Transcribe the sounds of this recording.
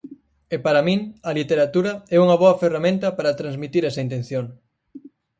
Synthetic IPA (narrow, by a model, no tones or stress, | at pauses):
epaɾɐmĩŋɐlit̪eɾat̪uɾɐɛuŋɐβoɐferamẽnt̪ɐpaɾɐt̪ɾanzmit̪iɾɛsɐint̪en̟θjoŋ